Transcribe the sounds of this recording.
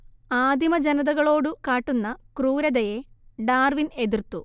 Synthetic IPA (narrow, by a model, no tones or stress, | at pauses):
aːd̪ʱjimɐd͡ʑɐnɐðɐɣɐɭo̞ːɽɨkaːʈːunːɐkruːɾɐd̪ɐjeɖaːrʋine̞d̪irt̪ːu